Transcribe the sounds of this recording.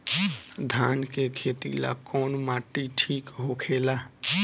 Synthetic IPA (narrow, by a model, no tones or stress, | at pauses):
d̪ʱaːnkekʰeːt̪ḭla̰kɔːnmaːʈːiʈʰiːkɦokʰeːlaː